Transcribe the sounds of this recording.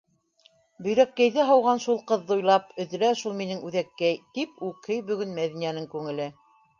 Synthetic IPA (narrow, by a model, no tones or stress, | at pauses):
bɵ̆jɾækːæjðɘɦɑwʁɑnʃulˠqɤ̆ðːɤujlˠɑpɵ̆ðɘ̆ɾæʃulˠminɘŋʉðækːæjt̪ipʉkʰɘjbɵ̆ɡɵnmæðinænɘŋkʉŋɘ̆lɘ